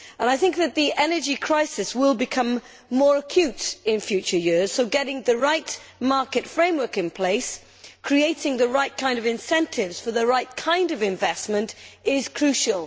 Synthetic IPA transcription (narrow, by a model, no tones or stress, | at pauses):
ə̃ñaɪθɪ̃ŋk̚ðɨt̪̚ðiʔɛnə˞d͡ʒikʰɹ̥aɪsɨswɪlˠbɨkʰʌ̃mː | ɔɹəkʰj̥ʉtɪ̃nfjʉˑt͡ʃə˞jɪɹz̥soʊɡɛɾɪ̃ŋðɨɹaɪtmɑɹkɨtfɹẽɪ̃mwɜ˞kɨ̃npʰl̥eɪs | kʰɹ̥ieɪɾɪ̃ŋðɨɹaɪt̚kʰãɪ̃ndʌvɪ̃nsɛ̃ntʰɪvz̥fə˞ðəɹaɪt̚kʰãɪ̃ndʌvɪ̃ɱvɛsmə̃ntɪz̥kʰɹ̥ʉʃəlˠ